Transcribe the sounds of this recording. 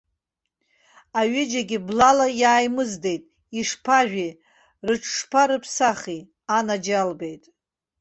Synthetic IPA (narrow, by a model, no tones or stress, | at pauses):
aɥɪd͡ʒaɡʲiblalajaːjmɨzde̞jtʼ | iʂpʰaʒʷᶣi | rɨʈ͡ʂʰʂpʰaɾɨpʰsaχi | anad͡ʒalbe̞jtʼ